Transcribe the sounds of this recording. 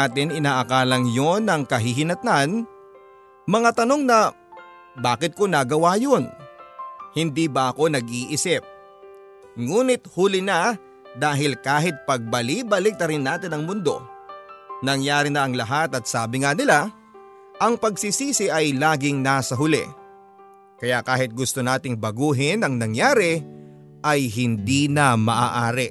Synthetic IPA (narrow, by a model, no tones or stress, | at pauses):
at̪ɪnɪnaːʔɐkaːlɐŋjo̞nɐŋkɐɦiɦɪnɐt̪an | mɐŋat̪ɐno̞ŋnɐ | baːkɪt̪̚konɐɡɐwaːjo̞n | hɪnd̪iːbɐʔɐko̞nɐɡ̚ʔiːʔɪsɪp̚ | ŋuːnɪt̪̚hulɪnɐ | d̪aːɦɪlkaːɦɪt̪̚pɐɡ̚bɐlibɐlɪk̚t̪ɐɾɪnːaːt̪ɪnɐŋmʊnd̪o̞̰ | nɐŋjaːɾɪnɐʔɐŋlɐɦat̪ɐt̪̚saːbɪŋanɪla | ʔɐŋpɐɡsisiːsɪʔɐjlaːɡɪŋnaːsɐɦʊlɛ̰ | kɐjakaːɦɪt̪̚ɡʊst̪onaːt̪ɪŋbɐɡuːɦɪnɐŋnɐŋjaːɾɪ | ʔɐjɦɪnd̪iːnɐmɐʔa̰ʔaːɾɪ